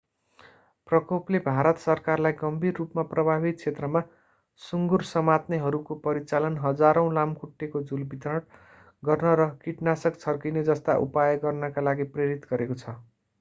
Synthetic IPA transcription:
prʌkoplebʱaɾʌt̪sʌrkarlajɡʌmbʱirːupmaprʌbʱabit̪̚t͡sʰet̪rʌma | suŋɡursʌmat̪neɦʌɾukopʌɾit͡salʌnɦʌd͡zaɾʌ̃w̃lamkuʈːekod͡zulbit̪rʌʈ | ɡʌrnʌɾʌkiʈnasʌkt͡sʰʌrkined͡zʌst̪aʔṵpajʌɡʌrnʌkalaɡipreɾit̪ɡʌɾekot͡sʰʌ

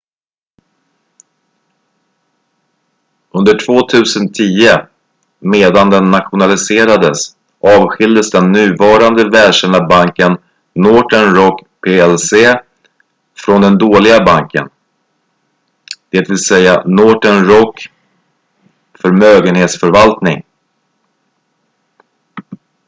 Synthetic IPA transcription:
ɵnd̪əʈʰv̥oːt̪ʰʉ̟ːsənt̪ʰiːə | meːd̪and̪ɛnːat̪ɧʊnalɪseːɾad̪əs | ʔɑːvɧɪld̪əsd̪ɛnːʉ̟ːvɑːɾand̪əvɛːlʂɛd̪abaŋkənː | oːʈənɾɔkpʰeːɛlseː | fɾɔnd̪ɛnd̪oːlɪɡabaŋkə̰n | d̪̥ɛːt̪vɪlsɛjːanɔːʈənɾɔkː | fœɾmøːɡənheːt̪sfœɾvalt̪nɪ̰ŋ

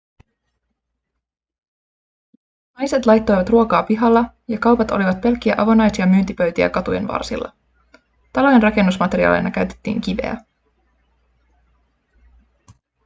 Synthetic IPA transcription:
nɑjse̞t̪lɑjt̪ːo̞jʋɑt̪ruokɑːpiɦɑlːɑ | jɑkɑwpɑt̪o̞liʋɑt̪̚pe̞lk̟ːiæʔɑʋo̞nɑjsiɑmyːnt̪ipø̞ɥt̪iæ̰kɑt̪uje̞̰nʋɑ̰rsḭlːɑ̰ | t̪ɑlojenrɑke̞nːusmɑt̪e̞ɾiɑ̰lḛjnɑkæɥt̪e̥t̪ːḭːŋkiʋe̞̰æ̰

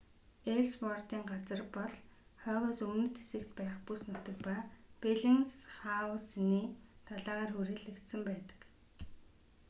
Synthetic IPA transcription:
eɮspɔrt̪iːŋɢat͡sə̆rpɔɮ | χœːɣoːsɵmnɵ̆t̪ʰesɘ̆kt̪pæːχpusnʊt̪ə̆k̚papeɮĭŋsχawsniːt̪ʰaɮaːʁaːrxuɾeːɮɘ̆kt̪sə̆mpæːt̪ə̥̆k

